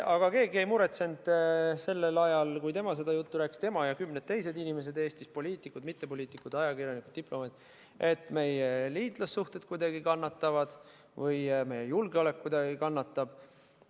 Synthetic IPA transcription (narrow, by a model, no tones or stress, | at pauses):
ɑɡ̥ɑke̞ːɡiejmuɾe̞t̪se̞nd̪̥se̞lːelɑjɑlkujt̪e̞mɑse̞d̪̥ɑjut̪ːuɾæːkst̪e̞mɑjɑkymned̪̚t̪ːe̞jse̞d̪inime̞s̬e̞d̪e̞ːst̪ispo̞lʲiːt̪ˑikːˑud̪mit̪ːe̞p̬o̞lʲiːt̪ːˑikːˑud̪ɑjɑkirjɑnikud̪̥̚ːiplo̞mɑd̪̥ | ʔe̞t̪ːˑme̞jeliːt̪lɑsːuht̪e̞t̪̚kujd̪̥ɑɡ̥ikɑnːɑt̪ːɑvɑd̪̥ | vɤjme̞jejulɡeole̞kkːujd̪̥ɑɡikɑnːɑt̪ːɑb̥